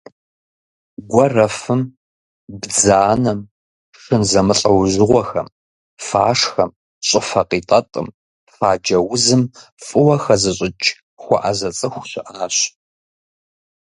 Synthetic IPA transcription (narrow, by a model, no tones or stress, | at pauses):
ɡʷɔrɐfɨm | bd͡zaːnɐm | ʂɨnzɐmɨɬʼɐwʑɨʁʷɔxɐ̰m | faːʂxɐm | ɕʼɪfɐqiːtʼɐtʼɨ̰m | faːd͡ʒɐwʊzɨmfʼɨwɐxɐzɨɕʼɪt͡ʃʰʼ | xʷɔ̰ʔɐzɐt͡sʼɨxʷɕɪʔaːɕ